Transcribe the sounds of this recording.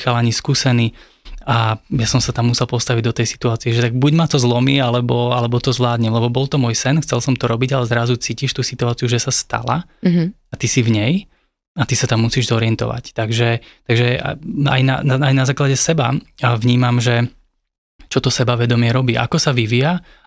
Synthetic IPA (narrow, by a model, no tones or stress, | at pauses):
xalaɲiskuːsɛniː | ajasɔmsat̪amːusɛlˠpɔst̪aʋiɟd̪ɔt̪ɛjsi̥t̪uaːt͡siɛʒɛt̪aɡ̚buɟmat̪ɔzlɔmiːalɛbɔalɛbɔt̪ɔzʋlaːd̪ɲɛmlɛbɔbɔlt̪ɔmʊɔːjsɛnxt͡sɛlsɔmt̪ɔɾɔbiɟalɛzɾazut͡siːciʃt̪uːsit̪uaːt͡siuʒɛsast̪a̰la̰ | at̪isivɲɛj | at̪isat̪amːusiːʒzɔɾɪɛnt̪ɔ̰ʋa̰ct̪aɡʒɛt̪aɡʒɛ̰a̰jna̰aajnazaːklaɟɛsɛbaʋɲiːmamʒɛ | t͡ʃɔt̪ɔsɛbaʋɛd̪ɔmɪɛɾɔbiːʔa̰kɔsaʋiʋija